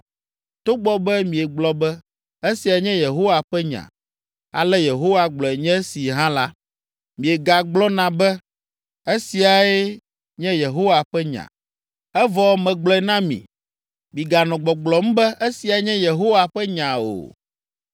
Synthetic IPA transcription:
t̪o˦ɡ͡bɔ˦bɛ˦mĩ˨e˨ɡ͡blɔ˦bɛ˦ | e˦si˨a˨˦ɲɛ̃˦je˨ɦo˦wa˨ɸɛ˦ɲã̰˨ | a̰˨lɛ˦je˨ɦo˦wa˨ɡ͡blɔ˨e˨ɲɛ̃˦si˨ɦã˦la˦ | mĩ˨e˨ɡa˨ɡ͡blɔ˦nã˨bɛ˦ | e˦si˨a˨e˦ | ɲɛ̃˦je˨ɦo˦wa˨ɸɛ˦ɲã̰˨ | ɛ˦vɔ˨˦mɛ̃˨ɡ͡blɔ˦ɛ˦nã˦mḭ̃˨ | mĩ˨ɡa˨nɔ̃˨ɡ͡bɔ˨ɡ͡blɔ˨m̩˦bɛ˦ʔe˦si˨a˨e˦ɲɛ̃˦je˨ɦo˦wa˨ɸɛ˦ɲã˨o̰˨

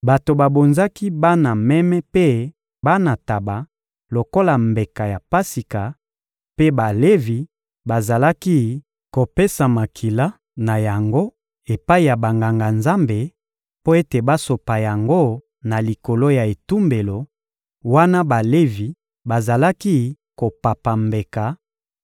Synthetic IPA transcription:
ba˨to˨ba˨bo˨nza˦ki˦ba˦na˨mɛ˦mɛ˦pe˦ | ba˦na˨ta˨ba˨ | lo˨ko˦la˨mbe˨ka˨ja˨pa˦si˨ka˨ | pe˦ba˨le˦vi˨ | ba˨za˨la˦ki˦ | ko˨pe˦sa˨ma˨kʰi˨la˦ | na˨ja˨ŋɡo˦ | e˨pa˦i˨ja˨ba˨ŋɡa˨ŋɡa˨nza˦mbe˨ | po˦e˦te˨ba˦so˨pa˨ja˨ŋɡo˦ | na˨li˨ko˨lo˦ja˨e˨tu˦mbe˨lo˨ | wa˦na˦ba˨le˦vi˨ | ba˨za˨la˦ki˦ | ko˨pa˨pa˨mbe˨ka˨

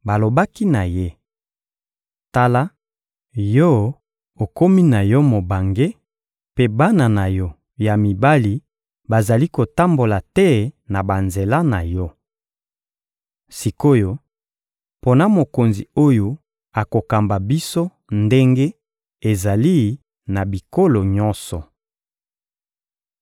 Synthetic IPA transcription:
ba˨lo˨ba˦ki˦na˨je˦ | ta˦la˦ | jɔ˦ | o˨ko˦mi˦na˨jɔ˦mo˨ba˨ŋɡe˦ | pe˦ba˦na˨na˨jɔ˦ | ja˨mi˨ba˦li˨ | ba˨za˨li˦ko˨ta˦mbo˨la˨tɛ˦na˨ba˨nze˨la˦na˨jɔ˦ | si˨ko˦jo˦ | po˦na˦mo˨ko˨nzi˨o˦jo˨ | a˨ko˨ka˨mba˨bi˦so˦ | nde˦ŋɡe˦ | e˨za˨li˦ | na˨bi˨ko˦lo˨ɲɔ̃˦nsɔ˨

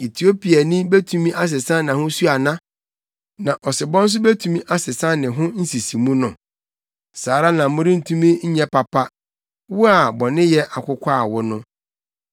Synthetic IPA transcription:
i˨tʰi˨o˦pi˨a˨nĩ˦be˦tʰũ˨mĩ˦ʔa˦s̬ɪ˨sã˦nã˨hʊ̃˦su˦a˨nã˦ | nã˨ʔɔ˨sɪ˨bɔ̃˦n̩˦s̬ʊ˦be˦tʰũ˨mĩ˦ʔa˦sɪ˨sã˦nɪ̃˨ɦʊ̃˦n̩˦si˨si˨mũ˦nʊ̃˨ | saː˨ɾa˦nã˨˦mʊ̃˦ɾɪ̃˦n̩˦˨tʰũ˦mĩ˦ɲ̩˦ɲɛ̃˦pa˨pʰa˦ | wʊ˦a˨bɔ˨nɪ̃˦jɛ˦ʔa˨kʷʰʊ˦kʰʷa˦˨wʊ˦nʊ̃˦

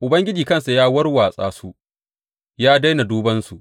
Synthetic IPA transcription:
ʔʊ˨bɐ˦ŋɡʲɪ˦d͡ʒiː˨kɐ˦˨nsa˨jaː˦wɐ˦rwaː˨sʼa̰ː˦su˦ | jaː˦da˦jna˨duː˦bɐ˦nsu˨ʔ

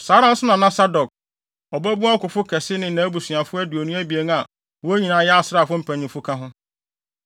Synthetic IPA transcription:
saː˨˦ɾã˦n̩˦sʊ˦nã˨nã˦sa˦dɔ˨k̚ | ɔ˨bæ˦bu˦ã˦kʊ˨fʊ˦kʰɛ˨sɪ˦nɪ̃˨nã˨˦bu˨sɥ̃a˨fʊ˦ɛ˦du˨o˨nũ˦æ˦bi˨e˨ŋ˦a˨ | wɔ˦æ˦ɲĩ˨nãː˨˦jɛ˦a˨sɪ˦ɾa˦˨fʊ˦m̩˦pʰæ̃˨nĩ˨fʊ˦kʰã˦ɦʊ̃˦

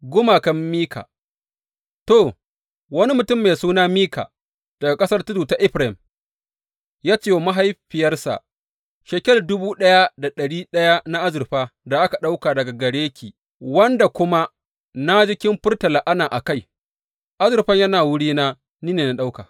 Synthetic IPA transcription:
ɡʷʊ˦maː˨kɐ˦mːiː˦kʰa̰˨ | to˨ | wɐ˦ni˦mʊ˨tʊ˦˨mːe˨suː˦naː˦miː˦ka̰ː˨ | d̥ɐ˨ɡa˨kʼɐ˦sɐ˦rtʊ˦duː˨ta˦ʔɪ˦ɸɾa˨ɪ˨m | jaː˦t͡ʃeː˦˨ma˦ɦa˦jɸɪ˨jɐ˦rsa̰˨ʔ | ʃɐ˨kʲɛ˦ldʊ˦buː˦ɗɐ˦ja˦da˨ɗɐ˨ɽiː˦ɗɐ˦ja˦na˦ʔa˦zʊ˨rɸaː˦da˨ʔa˦ka˨ɗa˦wkaː˨dɐ˨ɡa˨ɡɐ˨ɽeː˦kʲʰiː˨ | wɐ˦nda˨kʷʊ˦ma˦ | na˦d͡ʒɪ˦kʲɪ˦mɸʊ˦rtɐ˨laː˨ʔa˦naː˨ʔa˨ka˦˨j | ʔa˦zɪ˨rɸɐ˦ɲjɐ˦naː˨wʊ˦ɽiː˦naː˦ | niː˦neː˨na˦ɗa˦wkaː˨

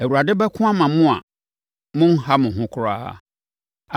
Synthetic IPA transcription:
æ˨wu˨ɾa˨dɪ˦bɛ˦kʰʊ̃˦a˦mã˨mʊ̃˦a̰˨ | mʊ̃˦ŋ̩˦ha˦mʊ̃˨ɦʊ̃˦kʰʊ˦ɾaː˦a̰˦˨

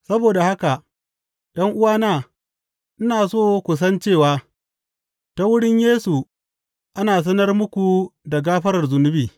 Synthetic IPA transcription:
sɐ˦boː˨da˨ha˦ka˨ | ɗɐ˦ŋʔʊ˦waː˦naː˦ | ʔnɪ˦naː˨soː˦kʷu˨s̬ɐ˦nt͡ʃeː˦˨waː˦ | ta˦wʊ˦ɽɪ˦ɲjeː˦su˨ | ʔa˦naː˨s̬ɐ˦nɐ˦rmʊ˦kʷu˨da˨ɡaː˦ɸɐ˦ɾɐ˨rzʊ˨nʊ˦biː˨

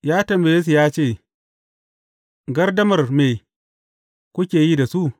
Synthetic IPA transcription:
jaː˦tɐ˨mba˨je˦s̬u˨jaː˦t͡ʃeː˦˨ | ɡɐ˦rdɐ˦mɐ˨rmeː˨ | kʷʊ˦kʲeː˨jiː˦da˨su˦ʔ

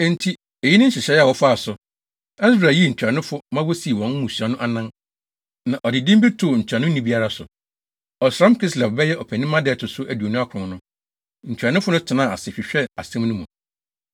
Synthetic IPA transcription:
e˦˨n˨tʰi˦ | e˨ji˦nɪ̃˦ɕɪ˨ɕɛ˦ɛ˦a˨wɔ˦fʊ˦a˦a˨sʊ˨ | a˦sbɾa˨ji˦˨ɲ̩˨t͡ɕᶣa˨nʊ̃˦fʊ˦mã˦wo˦si˨˦˨wɔ̃˦n˦mũ˨sa˨nʊ̃˦ʔa˦nã˦n | nã˨ʔɔ˨dɪ˨dĩ˦mbi˦tʰʊ˨ɲ̩˨t͡ɕʰᶣɾa˨nʊ̃˦nĩ˦bi˦a˦ɾa˦sʊ˨ | ɔ˨sɾã˦mkʰi˦sla˨fbɛ˦jɛ˦ʔɔ˨pʰæ˨nĩ˦mã˦dɛ˦˨tʰʊ˨sʊ˦ʔæ˨du˨o˨nʊ̃˦a˦kʰʊ̃˨ʊ̃˨nʊ̃˦ | ɲ̩˨t͡ɕᶣɾa˨nʊ̃˦fʊ˦nʊ̃˦tʰɪ˨nã˦˨a̰˨sɪ˨ɕᶣɪ˨ɕᶣɛ˦a˨sɛ̃˦mnʊ̃˦mũ˨

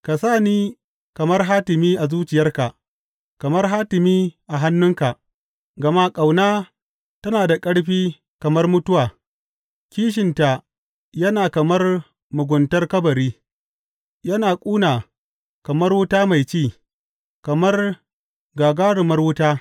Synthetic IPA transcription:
ka˨saː˦˨niː˦ | kɐ˨mɐ˦rɦaː˦tɪ˨miː˦ʔa˨zuː˦t͡ʃɪ˨jɐ˦rka˨ | kɐ˨mɐ˦rɦaː˦tɪ˨miː˦ʔa˨ɦa˦nːʊ˦ŋka˨ | ɡɐ˨ma˦kʼa˨wnaː˦ | tɐ˦naː˨da˨kʼɐ˦ɽɸiː˦ | kɐ˨mɐ˦rmʊ˦tʊ˦waː˨ | kʲiː˦ʃ̬ɪ˨nta˨ | jɐ˦naː˨kɐ˨mɐ˦r | mʊ˨ɡʷʊ˨ntɐ˦rkɐ˦bɐ˨ɾiː˦ | jɐ˦naː˨kʷʼuː˦naː˨ | kɐ˨mɐ˦rwʊ˦taː˦ma˨jt͡ʃiː˦˨ | kɐ˨mɐ˦r | ɡaː˨ɡaː˦ɽʊ˨mɐ˦rwʊ˦taː˦

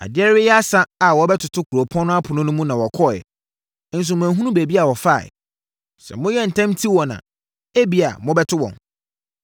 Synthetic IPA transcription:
a̰˨dɪ˦ɛ˦ɾwɛ˦jɛ˦a˦sa˦a˨wɔ˨˦bɛ˦tʰʊ˨tʰʊ˦kʰu˨ɾo˨pʰɔ̃˦nʊ̃˦a˦pʰʊ˨nʊ̃˦nʊ̃˦mũ˦nã˨wɔ˨kʰɔ˦˨jɛ̰˨˦ | n̩˦s̬ʊ˨mʊ̃˨æ˨ɦũ˦nũ˦be˨bi˦a˨wɔ˨fa̰˦˨ | sɛ̰˨mʊ̃˦jɛ˦n̩˨tʰã˦mtʰi˦wɔ̃˨nã̰˨ | e˦bi˨˦a̰˨mʊ̃˦bɛ˦tʰʊ˦wɔ̰̃˨n

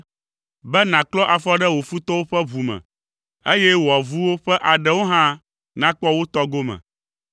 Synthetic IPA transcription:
bɛ˦nã˨klɔ˦ʔa˨fɔ˦ɖɛ˦wo˨fu˦t̪ɔ˦wo˦ɸɛ˦βu˨mɛ̰̃˨ | e˦jɛ˦wo˨a˨vu˦wo˦ɸɛ˦ʔa˨ɖɛ˦wo˦ɦã˦ | nã˦k͡pɔ˦wo˦t̪ɔ˦ɡo˦mɛ̰̃˨

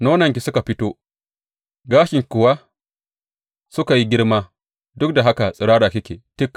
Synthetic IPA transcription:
noː˦nɐ˨ŋk̬ʲi˨sʊ˦ka˨ɸɪ˦toː˦ | ɡaː˦ʃɪ˨ŋkʷʊ˨wa˦ | sʊ˦ka˨ji˦ɡʲɪ˦rmaː˦ | dʊ˦k̚da˨ɦa˦ka˨sʼɪ˨ɽaː˦ɽaː˨kʲɪ˦kʲḛː˨tɪ˦kː

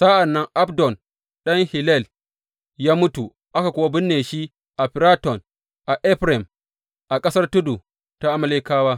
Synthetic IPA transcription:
sa˦ʔa˨nːɐ˦ŋʔa˦bdɔ˨n | ɗɐ˦ŋhi˨lɛ˦˨l | jaː˦mʊ˦tu˨ | ʔa˦ka˨kʷʊ˦wa˦bɪ˦nːeː˨ʃi˦ | ʔa˨ɸi˨ɾa˦tɔ˨n | ʔa˨ʔɛ˦ɸɾɛ˨m | ʔa˨kʼɐ˦sɐ˦rtu˦du˨ | ta˦ʔa˦mɐ˦leː˦kaː˦waː˦

